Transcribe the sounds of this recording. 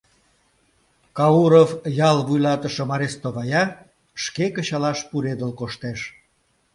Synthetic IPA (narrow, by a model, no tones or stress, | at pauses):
kɑuɾofjɑlβujlɑt̪əʃə̆mɑɾest̪oβɑjɑ | ʃkekəɕɑlɑʃpuɾed̪əlkoʃt̪eʃ